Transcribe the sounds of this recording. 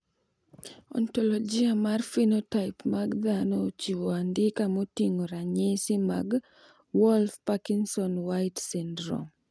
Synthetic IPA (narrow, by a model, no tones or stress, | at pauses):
ɔ̰ntɔlɔd͡ʒiamarfinotaɪpmaɡd̪anɔt͡ʃiwɔandɪkamotiŋoɾaɲɪsɪmaɡ | wɔlfpakinsɔnwaɪtsindɾɔ̰m